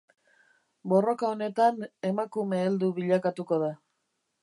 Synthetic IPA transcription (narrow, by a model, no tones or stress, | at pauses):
bo̞ro̞kao̞ne̞t̪ane̞makume̞ːld̪uβiʎakat̪uko̞ða